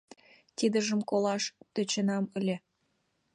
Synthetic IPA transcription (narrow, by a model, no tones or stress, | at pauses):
t̪id̪ə̆ʒə̆mkolɑʃt̪ø̆t͡ɕĕnɑməlʲe